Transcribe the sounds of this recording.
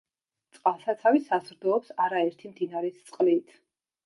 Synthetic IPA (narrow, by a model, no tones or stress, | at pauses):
t̪sʼqʼalˠsat̪sʰavisazɾd̪ɔɔpsaɾaɛɾt̪ʰimd̪inaɾɛst̪sʼqʼlit̪ʰ